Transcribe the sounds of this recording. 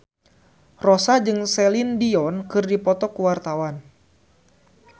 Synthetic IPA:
rɔsad͡ʒɨŋsɛlindiɔnkɨrdipɔt̪ɔkuwart̪awan

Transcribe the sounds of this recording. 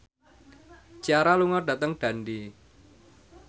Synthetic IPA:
t͡ʃaɾaluŋɔɖ̥at̪əŋɖ̥a̤nɖi

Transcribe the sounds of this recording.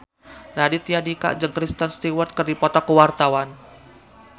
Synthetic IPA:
radit̪ijadika̰ʔd͡ʒəŋkɾist̪ənst̪iwərt̪̚kərdipɔt̪ɔkəwart̪awan

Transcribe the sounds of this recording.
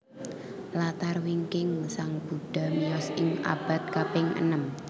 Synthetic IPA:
lat̪arwiŋkɪŋsaŋb̥uɖ̥a̤miɔsɪŋa̰b̥a̤t̪̚kapɪŋə̰nəm

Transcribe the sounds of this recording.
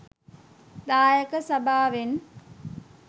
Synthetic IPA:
d̪aːjəkəsɐbʱaːʋen

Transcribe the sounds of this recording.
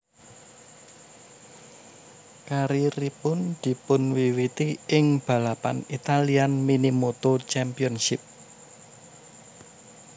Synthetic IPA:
kaɾiripʊnd̪̥i̤pʊnwiwit̪iɪŋb̥ä̤lapa̰nit̪alianminimot̪ot͡ʃɛmpiɔnʃɪp̚

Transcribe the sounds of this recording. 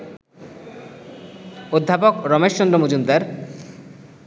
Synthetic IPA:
od̪ʱːapokɾɔmeʃːond̪ɾomod͡ʑumd̪aɾ

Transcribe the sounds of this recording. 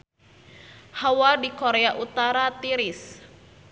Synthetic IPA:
hawadikoɾeaʔut̪aɾat̪iɾis

